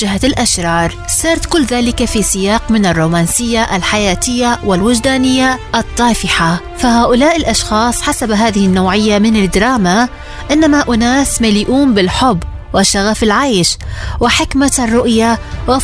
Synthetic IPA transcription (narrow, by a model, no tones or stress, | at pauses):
ɪɦalʔaʃɾˤɑːɾˤsɑːɾˤt̪kʊlːðaːlɪkafisɪjaːqmɪnarˤːuːmaːnsɪjːaʔalħajaːt̪ɪjːawɪlwɪd͡ʒd̪aːnɪjːaʔɑt̪ˤːɑːfɪħa | faɦaːʔʊlaːʔɪlʔɑʃxɑːsˤħasabɦaːðɪhɪnːawʕɪjːamɪnad̪ɾˤɑːma | ʔɪnːamaʔʊnaːsmaliːʔuːmbɪlħʊbː | wɪʃaɣafɪlʕajʃwɪħɪkmarˤːʊʔjawɪ